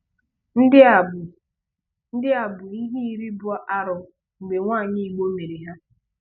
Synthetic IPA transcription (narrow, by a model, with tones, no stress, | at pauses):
n̩˦dɪ˦˨ | n̩˦dɪ˦a˨bʊ˨i˦ɦi˦i˦ɾi˦bʊ˦a˦ʔa˦ɾʊ˨ | ŋ͡m̩˨ɡ͡be˨ŋʷaː˦˨ɲɪ˦i˨ɡ͡bo˦me˨ɾi˨ɦa˦